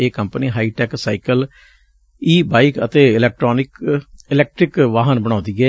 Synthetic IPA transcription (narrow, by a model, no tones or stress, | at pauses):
eːkəmpəniːɦaːiːʈɛːksaːikəl | iːbaːɪkət̪eːɪlɛːk̚ʈɾoːnɪkɪlɛːk̚ʈɾɪkʋaːɦənbəɽ̃ãːnd̪iːɛː